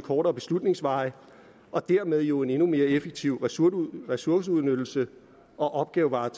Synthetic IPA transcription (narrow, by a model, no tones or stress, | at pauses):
kʰɒːɾɐːb̥e̝slud̥ne̝ŋsʋɑ̈ɪ | ʔɒ̽d̥æɐmeð̞ˠjo̝e̝ne̝nume̝ːɐefeɡ̥̚t͡sʰiʊ̰ʁɛsuɐs̬əuð̞ˠnød̥l̩sə | ʔɒ̽ʔɒ̽b̥̚ɡ̥ɛːʊʋɑ̈ːt͡sʰ